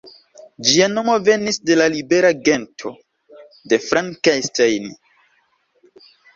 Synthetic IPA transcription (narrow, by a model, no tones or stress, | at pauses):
d͡ʒiano̞mo̞ve̞nisde̞lalibe̞ɾaɡe̞ntʰo̞ | de̞fɾaŋkajstajni